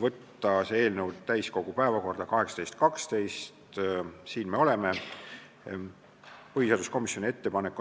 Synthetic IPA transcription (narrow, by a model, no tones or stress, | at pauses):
vɤt̪ːɑsee̞ːlnew̪t̪ːæjsko̞ɡ̥upæe̞vɑko̞rd̪̥ɑkɑɦeksɑt̪e̞jst̪̚kɑkst̪e̞jst̪siːnme̞o̞le̞me | pɤɦhiseɑːd̪̥usko̞misjo̞nie̞t̪ːe̞pɑnekːˑu